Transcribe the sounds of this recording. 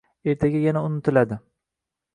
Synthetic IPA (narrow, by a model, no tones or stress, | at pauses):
eɾt̪ʰaɡʲajanaʊnɪt̪ʰɪlad̪ɪ